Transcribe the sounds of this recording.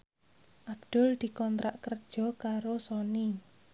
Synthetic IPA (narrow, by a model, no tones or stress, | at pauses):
ʔab̚d̪̥ʊ̤ld̪̥i̤kɔnt̪ɾaʔkərd̥ʒ̥ɔ̤kaɾosɔni